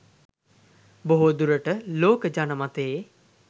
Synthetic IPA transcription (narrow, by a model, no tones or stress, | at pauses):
boɦod̪uɾəʈəloːkəd͡ʒanəmat̪ej